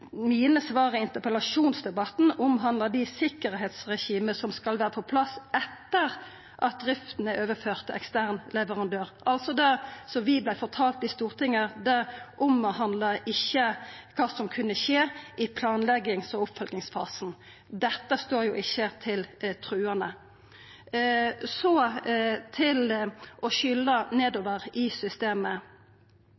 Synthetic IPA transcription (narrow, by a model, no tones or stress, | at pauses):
miːnəsʋɑːɾəɪnt̪əpəlɑʂuːnsd̪ɛbɑt̪n̩ʊmɦɑnd̪ləd̪ɪsɪkəɾɦeːt̪sʁɛʃiːməsɔmskɑlʋæːɾəpʰɔpʰlɑsɛt̪ːəɾ | ʔɑt̪̚d̪ɾɪft̪nəʔøːʋəføːʁt̪ɛ̰kst̪æːʁnlɛʋəʁɑnd̪øːɾʔɑlt̪sɔd̪ɛsɔʋɪblæɪfɔʁt̪ʰɑːlt̪ɪst̪uːʁt̪ʰɪŋːəɾd̪æʔʊmːəhɑnd̪lɑɪçːəkʰɑːsɔmkʰʉnːəʃeːʔɪpʰlɑːnlɛɡɪŋsɔʊpfœlɡnɪŋsfɑ̰ːsn | d̪ɛt̪ːəst̪oːɾjuːʔɪçːət̪ʰɪlt̪ʰɾʉːənə | sɔ | t̪ʰɪlʔɔʃʏlːəneːd̪oːʋəɾɪsʏst̪eːmə